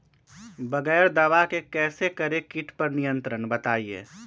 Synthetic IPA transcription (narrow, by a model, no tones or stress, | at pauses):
bɐɡɛːɾd̪aʋakekɛːsekɐɾekɪʈʰpɐɾnijə̃nt̪ɾənbɐt̪aːiḛː